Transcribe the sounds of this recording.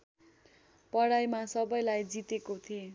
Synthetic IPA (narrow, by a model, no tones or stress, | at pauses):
pʌɽajmasʌbʌjlajd͡zit̪ekot̪ʰie